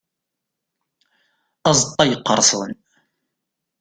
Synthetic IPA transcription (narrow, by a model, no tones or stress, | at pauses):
ɑzˤt̪ˤːɑjəqːəɾˤsˤən